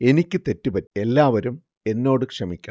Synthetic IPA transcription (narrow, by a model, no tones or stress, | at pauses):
e̞nikʲːɨt̪e̞tːupɐtːe̞lːaːʋɐɾum | e̞nːo̞ːɽɨkʂɐmikʲːɐɳɐ